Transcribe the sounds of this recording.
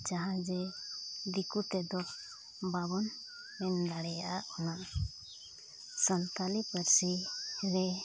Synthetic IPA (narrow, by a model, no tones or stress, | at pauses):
d͡ʒaɦãd͡ʒɛd̪ikut̪ɛd̪ɔk | baβɔn | mɛnd̪aɽɛjaʔaʔɔna | sənt̪alipəɾsiɾɛ